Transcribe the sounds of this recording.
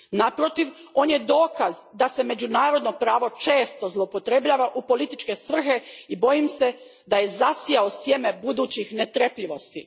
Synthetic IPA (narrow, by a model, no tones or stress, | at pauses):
napɾo̞t̪iʋ | o̞ːnje̞d̪o̞ːkazd̪ase̞me̞d͡ʑunaːɾo̞d̪no̞pɾaːʋo̞t͡ʃe̞ːst̪o̞zlˠopo̞t̪ɾe̞bʎaːʋaʔupo̞lit̪it͡ʃke̞sʋr̩xe̞ibo̞jimse̞ | d̪ajezasijaosje̞me̞bud̪uːt͡ɕixne̞t̪ɾepʎiʋo̞st̪i